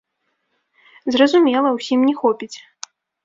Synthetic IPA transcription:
zrɐzumʲɛlˠɐwsʲimnʲɛxɔpʲit͡sʲ

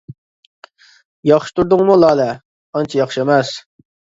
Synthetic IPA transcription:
jɑχʃi̥t̪ʰuɾd̪ʊŋmulˠɑːlɛ | ɑnt͡ʃʰijɑχʃiemɛs

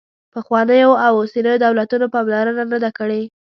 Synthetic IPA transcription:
pəxwɑnəjoawosenəjod̪awlat̪unopɑmlaɾananəd̪akəɽe

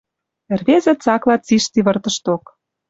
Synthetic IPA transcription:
erβezĕt͡sɑklɑt͡siʃt̪iβə̆rt̪ə̆ʃt̪ok

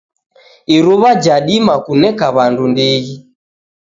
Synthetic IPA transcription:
iɾuβad͡ʒaɗimakunɛkaβandundiɣi

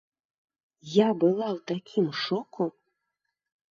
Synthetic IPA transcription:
jabɨlˠawt̪akʲʰimʂɔkʰu

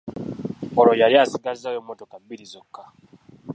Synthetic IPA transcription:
olojaljasiɡazajomːotokambiɾizokːa

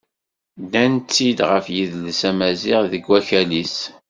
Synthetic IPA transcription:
d̪ænt͡sːid̪ʁəfjiðlsæmæzɪʁðəɡwæçælis

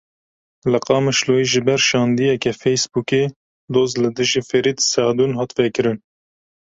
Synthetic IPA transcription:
lɨqɑːmɨʃloːiːʒɨbɛɾʃɑːnd̪ijɛkɛfɛjsbuːke | d̪oːzlɨd̪ɨʒifɛɾiːt̪sæd̪unɦɑːt̪vɛkɨɾɨn

